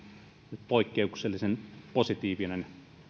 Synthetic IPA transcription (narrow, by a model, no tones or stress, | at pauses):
net̪poikːeukselːisenposit̪iːʋinen